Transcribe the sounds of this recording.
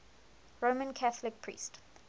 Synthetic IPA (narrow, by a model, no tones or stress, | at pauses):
ɹomə̃nkʰaθəlɪk̚pʰɹ̥ḭːˑst